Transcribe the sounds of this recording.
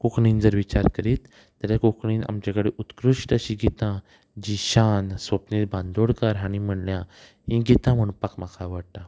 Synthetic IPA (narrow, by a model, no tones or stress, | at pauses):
kokɳind͡zəɾʋit͡ɕaɾkəɾiːt̪ː | əɾjakokɳiːna̰mt͡ɕakəɽeʔut̪kɾuʂʈəɕiɡit̪ã | d͡ʑiɕansʋəpnet̪bãnd̪ʱoɽkaɾɦaɽ̃im̤əɳljã | ɦĩɡit̪ãm̤əɳpakmakʰaʋəɽʈ̪a